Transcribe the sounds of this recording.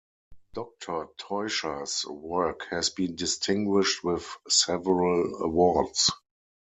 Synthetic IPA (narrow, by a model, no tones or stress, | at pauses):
d̥ɔk̚tʰə˞tʰɔɪʃəswɜ˞khɛsbĩːndɪstʰɪ̃ŋɡwɪʃtwɪθsɛvəɹələ̰wɔds